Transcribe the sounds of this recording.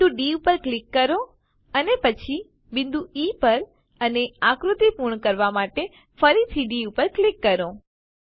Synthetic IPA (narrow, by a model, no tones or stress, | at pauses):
uɖiupəɾklɪkːəɾo | ənepət͡ʃʰi | bɪ̃nd̪uipəɾ | əneãkɾut̪ipuɾɳkəɾʋamaʈe | fəɾit̪ʰiɖiupəɾklikːəɾõ